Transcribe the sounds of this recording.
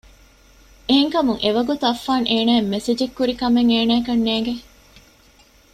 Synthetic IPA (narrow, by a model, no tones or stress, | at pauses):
eɦeŋkɐmuŋʔeʋɐɡut̪uɐfːaːŋʔeːnæːemːesed͡ʒekːuɾikɐmeŋeːnæːkɐnːeːŋɡe